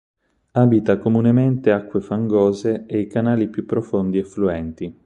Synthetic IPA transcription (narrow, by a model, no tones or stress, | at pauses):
abit̪akomunement̪eakːwefaŋɡoːzeejkanaːlipjupːɾofond̪iefluɛnt̪i